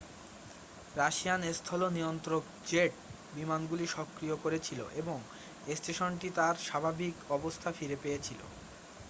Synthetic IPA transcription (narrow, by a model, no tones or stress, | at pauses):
ɾaʃijanest̪ʰɔlonijont̪ɾok | d͡ʑeʈ̚ | bimanɡuliʃɔkːɾijokoɾet͡ɕʰilo̰ʔeboŋ | esʈeʃonʈit̪aɾʃabʱabikɔbost̪ʰafiɾepejet͡ɕʰilo̰